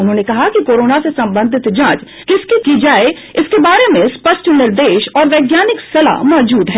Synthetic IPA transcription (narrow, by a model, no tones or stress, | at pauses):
ʊnɦõːnekɐɦakikoːɾoːnasesɐ̃mbə̃nd̪ʱɪt̪d͡ʒãːt͡ʃ | kɪskikid͡ʒaːe | ɪskebaːɾemẽspɐʃʈʰnɪɾd̪eːʃɔːɾʋɛːɡjaːnɪksɐla̰mɔːd͡ʒuːd̪ɦɛː